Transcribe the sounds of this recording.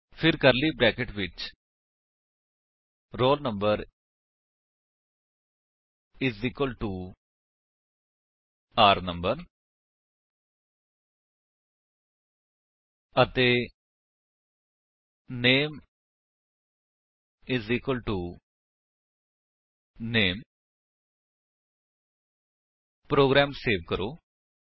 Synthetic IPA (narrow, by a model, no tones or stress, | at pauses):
pʰɪɾkəɾliːbɾɛːkeʈʋɪt͡ʃ | ɾoːlnə̃mbəɾ | ɪziːkwəlʈuː | aːɾnəmbəɾ | ət̪e | neːm | ɪziːkəlʈu | neːm | pɾoːɡɾaːmseːʋkəɾoː